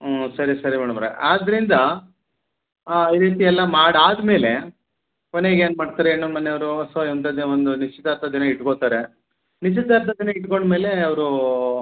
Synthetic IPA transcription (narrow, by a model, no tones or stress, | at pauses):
sɐɾisɐɾimaːɽɐmɾḛʔaːd̪ɐɾind̪ɐ | iːɾiːt̪iɛlːɐmaːɽaːd̪me̞ːle̞ | koneɡeːnmaːɖt̪aːɾeeːnːumɐnːeɐʋɐɾuɐt̪ʋaiʋɐnt̪ɐd̪eond̪unit͡ʃit̪aːɾt̪ɐd̪inɐiʈkoːt̪aːɾe | nit͡ʃit̪aːɾt̪ɐd̪inɐiʈko̞ɳɖme̞ːleɐʋɐɾu